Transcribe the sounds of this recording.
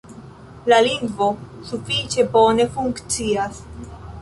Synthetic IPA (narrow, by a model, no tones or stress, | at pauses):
lɐlinvosufiːt͡ʃɛbɔːnɛfuŋkt͡sijɐs